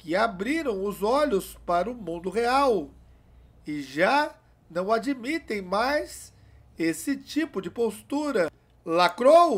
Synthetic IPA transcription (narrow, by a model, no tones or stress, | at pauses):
kɪabɾiɾɐ̃w̃ʊzɔʎʊspaɾɐʊmũnd̪ʊɦeaw | ɪʒa | nɐ̃w̃ad͡ʒimit̪ẽj̃majz | esɪt͡ʃipʊd͡ʒɪpost̪uɾɐ | lakɾow